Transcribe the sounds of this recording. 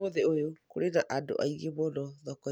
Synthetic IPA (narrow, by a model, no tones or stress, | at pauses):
oðeojokoɾeɾaʔado̰ʔaiɣeβɔnɔðɔkɔ